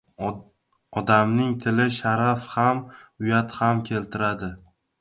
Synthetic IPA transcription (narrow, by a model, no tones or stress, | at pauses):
ɒd̪amnɪŋt̪ʰɪlɪʃaɾafhamʊjat̪hamkʲʰe̞lt̪ʰɪɾad̪ɪ